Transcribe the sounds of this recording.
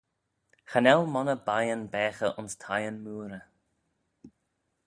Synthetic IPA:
xanɛlmɔnəbajənbɛːxəʔʊnstʰajənmuːɾə

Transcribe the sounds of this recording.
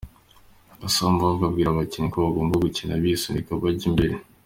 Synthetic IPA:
βasamuβavɡabɡiːɾaβacinikoβaɡo̞ːmbaɡucinaβisindikaβaɟimbe̞ɾe

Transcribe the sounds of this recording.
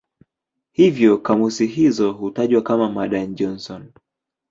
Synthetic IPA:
hivjɔkamusiɦizɔhutaʄwakamamaɗand͡ʒɔnsɔn

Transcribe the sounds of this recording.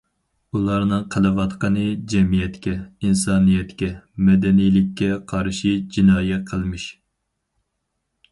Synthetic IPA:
ulˠɑɾnɨŋqʰəlˠɨwɑt̪qʰənɨd͡ʒɛmijɛt̪kʲɛinsɑːnijɛt̪kʲɛmɛd̪ɛnijlɪkʲːɛqʰɑɾʃid͡ʒinɑːjɛqʰəlˠmɨʃ

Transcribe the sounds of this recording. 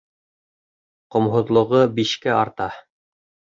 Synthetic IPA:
qŏmɦŏðlˠŏʁɤbiʃkɘɑɾt̪ɑ

